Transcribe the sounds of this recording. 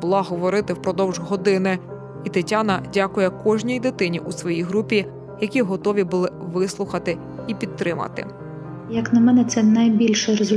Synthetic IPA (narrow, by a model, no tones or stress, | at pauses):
bʊlˠɑɦɔʋɔɾɪt̪ɪwpɾɔd̪ɔwʒɦɔd̪ɪnɪ | it̪ɪtʲanɐdʲakʊjɛkɔʒnʲijd̪ɪt̪ɪnʲiʔusʋɔjijɦɾupʲi | jɐkʲiɦɔt̪ɔʋʲibʊlˠɪʋɪslˠʊxɐt̪ɪ | ipʲid̪̚t̪ːɾɪmɐ̰t̪ɪ̰ | jɐknɐmɛnɛt̪sɛnɐjbʲilʲʃɛɾezʊ